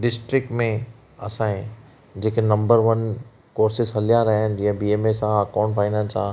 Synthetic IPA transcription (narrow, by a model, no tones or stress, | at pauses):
ɖɪsʈɾɪk̚ʈmẽ | ɐ̰sãːɦẽ | d͡ʑeːkenɐ̃mbəɾʋən | koːɾsɪsɦɐlijaɾɐɦənd͡ʑẽbiːemesãɐkaːʊɳʈfaːɪnãnsaː